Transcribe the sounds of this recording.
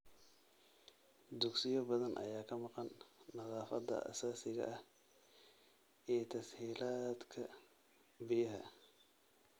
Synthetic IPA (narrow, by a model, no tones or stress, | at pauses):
d̪ʊɡsɪjɔbɐðɐnʔɐ̰jaːkʰɐmɑqɑnːɐðɑːfɐd̪ɐ̰ʔɐ̰saːsɪɣɐ̰ʔɐh | ɛːt̪ʰɐshiːlaːd̪kʰɐ | bɪjɐɦɐ̰